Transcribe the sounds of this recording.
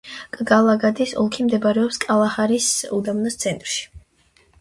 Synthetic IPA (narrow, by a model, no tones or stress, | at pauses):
kʼɡalˠaɡad̪isɔlˠkʰimd̪ɛbaɾɛɔpskʼalˠaχaɾisud̪amnast̪sʰɛnt̪ʼɾʃi̥